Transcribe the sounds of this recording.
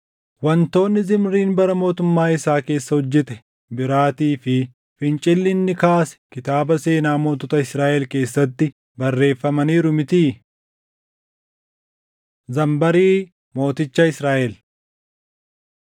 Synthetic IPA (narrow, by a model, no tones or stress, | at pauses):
wɐnt̪o̞ːnːɪzɪmɾiːnbɐɾɐmo̞ːt̪ʊmːaːɪsaːke̞ːsːɐhɔd͡ʒːɪt̪ɛ̥ | bɪɾaːt̪iːfɪ | fɪnt͡ʃʼɪlːɪnːɪkaːsɛ̥kɪt̪aːbɐse̞ːnaːmoːt̪ɔt̪ɐɪsɾaːʔɛlke̞ːsːɐt̪ːɪ | bɐrːe̞ːfːɐmɐniːɾʊmɪt̪iː | zɐmbɐɾiː | mo̞ːt̪ɪt͡ʃːɐɪsɾaːʔɛl